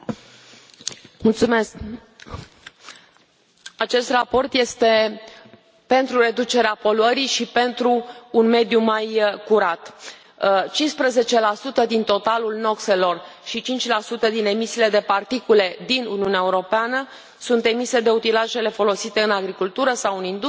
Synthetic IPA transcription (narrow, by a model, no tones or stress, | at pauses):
mult̪sumesk | at͡ʃe̞st̪rapo̞rt̪je̞st̪e̞ | pe̞nt̪ɾure̞d̪ut͡ʃe̞ɾeapo̞luəɾiʃipe̞nt̪ɾuːnme̞d̪jumajkuɾat̪ | t͡ʃinspɾeze̞t͡ʃe̞lasut̪əd̪int̪o̞t̪alulno̞kse̞lo̞rʃit͡ʃint͡ʃʲlasut̪əd̪ine̞misile̞d̪e̞part̪ikule̞d̪inṵniuneaeuɾo̞peanə | sunt̪e̞mise̞d̪e̞ut̪ilaʒe̞le̞fo̞lo̞sit̪e̞ɨnaɡɾikult̪uɾəsawɨnind̪